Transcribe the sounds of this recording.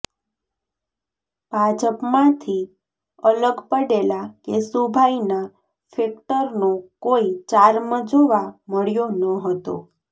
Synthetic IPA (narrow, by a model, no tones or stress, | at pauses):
b̥ʱad͡ʒəpmãt̪ʰi | ələɡpəɽelakesubʱaina | fek̚ʈəɾnokoit͡ʃaɾmə̃d͡ʒoʋaməɭjonəɦət̪o̰